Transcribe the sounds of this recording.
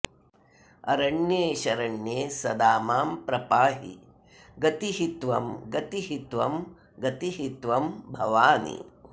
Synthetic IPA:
ɐ̰ɾɐɳjeːʃɐɾɐɳjeːsɐd̪aːmaːmpɾɐpaːɦḭ | ɡɐt̪iɦit̪ʋɐmɡɐt̪iɦit̪ʋɐm | ɡɐt̪iɦit̪ʋɐmbʱɐʋaːnḭ

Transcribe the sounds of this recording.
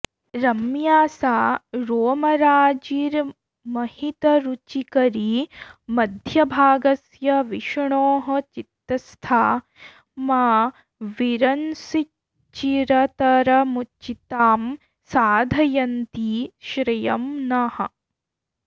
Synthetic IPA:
ɾɐmjaːsaːɾoːmɐɾaːd͡ʒiːɾ | mɐhit̪ɐɾut͡ʃikɐɾimɐd̪ʱjɐbʱaːɡɐsjɐʋiʃɳoːɦɐ̆t͡ʃit̪ɾɐst̪ʰaː | maː | ʋiɾɐnsi | t͡ʃiɾɐt̪ɐɾɐmut͡ʃit̪aːm | saːd̪ʱɐjɐnt̪iʃɾɐjɐmnɐhɐ̰̆

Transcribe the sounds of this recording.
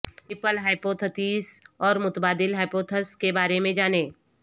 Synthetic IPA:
ɪpəlɦaːɪpoːt̪ʰət̪iːsɔːɾmʊt̪baːd̪ɪlɦaːɪpoːt̪ʰəskebaːɾemẽd͡ʒaːneː

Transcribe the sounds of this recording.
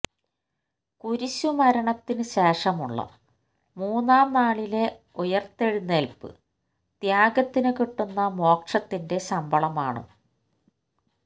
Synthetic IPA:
kuɾiɕumɐɾɐɳɐt̪ːinɨɕeːʂɐmuɭːɐ̰ | muːnːaːmnaːɭile̞ | ujɐrt̪ːe̞ɻunːelpɨ̰ | d̪̥jaːɡɐt̪ːinɨkiʈːunːɐmo̞ːkʂɐt̪ːinde̞sɐmbʱɐɭɐmaːɳɨ̰

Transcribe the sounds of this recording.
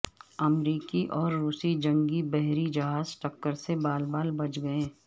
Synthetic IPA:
ɐmɾiːkiʔɔːɾːuːsid͡ʒɐ̃ŋɡibɛɦɾid͡ʒɐɦaːzʈɐkːəɾsebaːlbaːlbɐt͡ʃʰɡɐẽː

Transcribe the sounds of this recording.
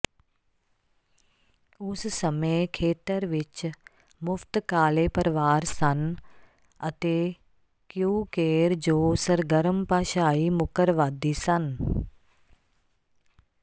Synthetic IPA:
ʊssəmekʰeːt̪əɾʋɪt͡ʃ | mʊft̪kaːleːpəɾʋaːɾsɐn | ɐt̪eː | kjuːkeːɾd͡ʒoːsəɾɡəɾəmpaːʃaːimʊkəɾʋaːd̪isɐn

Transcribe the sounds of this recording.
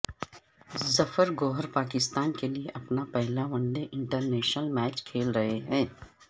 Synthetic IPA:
zɐfəɾɡoːɦəɾpaːkɪst̪aːnkelieʔɐpnapɛɦlaʋɐ̃ɳɖeʔɪ̃ɳʈəɾnɛːʃnəlmɛːt͡ʃkʰeːlɾɐɦeɦɛ̃ː

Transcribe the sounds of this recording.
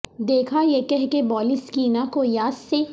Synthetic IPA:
d̪eːkʰajekɛɦkebɔːlɪskiːnakojaːsse

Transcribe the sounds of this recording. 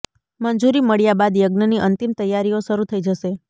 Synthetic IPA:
mənd͡ʒuɾiməɭjabad̪jəɡnəniʔənt̪imt̪əjːaɾijoʃəɾut̪ʰəid͡ʒəʃe

